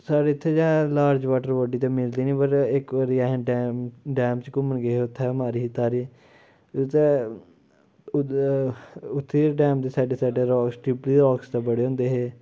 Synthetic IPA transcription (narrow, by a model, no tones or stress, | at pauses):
saːɖeːt̪ʰːeːd͡ʒãːlaːɾd͡ʒʋaːʈəɾʋoːɖiːt̪ãːmɪld̪iːnĩːpəɾɪkʋaɾiːɛɦːɖɛɖɛːmt͡ʃkʊməɳɡeːɦeʊt̪ʰːɛːmaːɾiːt̪aːɾiː | t̪e | ʊt̪ʰːeːɖɛːm̚d̪eːsaːɖeːsaːɖeːɾɔːksʈipliːɾɔːkst̪aːbəɽeːɦõːnd̪eːɦeː